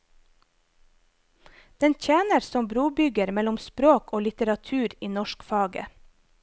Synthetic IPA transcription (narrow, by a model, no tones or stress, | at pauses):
d̪̥ɛnc͡çeːnəɾsɔmbɾuːbʏɡəɾmɛlʊmspɾoːkoːlɪt̪əɾɑt̪ʰʉːɾiːnɔʃkfɑːɡə̰